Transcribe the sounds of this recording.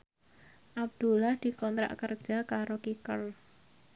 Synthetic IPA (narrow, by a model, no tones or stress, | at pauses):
ʔab̚d̪̥ulahd̪̥i̤kɔnt̪ɾa̰ʔkərd̥ʒ̥a̤kaɾokikəl